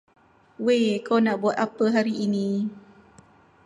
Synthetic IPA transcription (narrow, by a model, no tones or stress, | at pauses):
wekonaʔbuat̪̚ʔapəɦaɾiʔini